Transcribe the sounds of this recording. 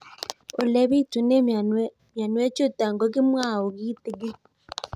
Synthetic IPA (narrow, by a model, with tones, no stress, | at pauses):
o˨lɛ˦βi˦˨tu˨ne˦ | mja˨nwɛ˦t͡ʃo˦ta˨ŋɡɔ˦ɣɪ˦mwa˦˨o˨ɣi˦t̪ɪ˨ɡɪ˦